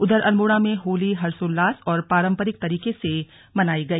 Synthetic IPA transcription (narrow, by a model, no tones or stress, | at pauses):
ʊd̪əɾʔɐlmʊɽ̃amẽɦoːliɦɐɾsʊlːaːsɔːɾpaːɾə̃mpəɾɪk̚t̪ɐɾiːkese | mɐnaːiɡɐiː